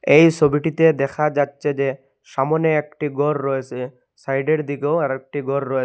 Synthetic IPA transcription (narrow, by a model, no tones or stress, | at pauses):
ejsobiʈit̪ed̪ɛkʰad͡ʒatːʃʰed͡ʑe | ʃamɔneekʈiɡɔɾːɔjet͡ʃʰe | sajɖeɾd̪ikewaɾɛk̚ʈiɡɔɾːɔje